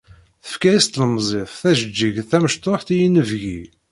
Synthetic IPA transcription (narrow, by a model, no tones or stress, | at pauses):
θə̥fkæjist̪ləmzˤeθˤθæʒəd͡ʒːiʝθæməʃt̪ˤoħθijinəvʝi